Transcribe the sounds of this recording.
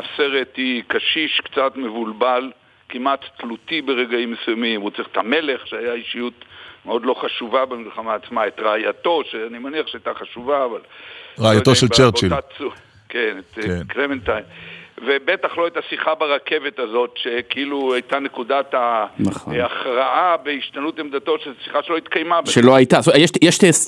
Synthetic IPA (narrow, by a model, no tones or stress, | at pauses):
ase̞ʁetikaʃiʃkt͡satme̞vulbal | kimatːlutibe̞ʁe̞ɡaimesujamimhut͡saʁiχe̥tame̞le̞χʃeajaiʃijutmeo̞d̪lo̞χaʃuvabe̞milχamaːt͡smaet̪ʁaːjato̞ʃeanimaniaχʃeajtaχaʃuvaːvalʁeajat̪oʃelt͡ʃeʁt͡ʃilsu | kenet̪klement̪ajnve̞betaχloetasiχabeʁake̞vetazo̞tʃe̞kiiluajtane̞kudatanaχo̰aχʁaabeiʃt̪anutemd̪ato̞ʃesi̥χaʃeloit̪kajmabʃeloajtasojeʃjeʃtes